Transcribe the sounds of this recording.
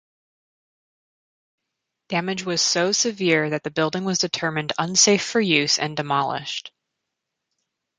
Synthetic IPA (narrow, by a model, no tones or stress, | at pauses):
d̥æmɨd͡ʒwʌz̥soʊsɨvɪɹðɨt̪̚ðɨbɪlˠdɪ̃ŋwʌzdɨtʰɜ˞mɨ̃ndʌ̃nseɪfə˞jʉzɨ̰̃ndɨmɑlˠɪ̰ʃt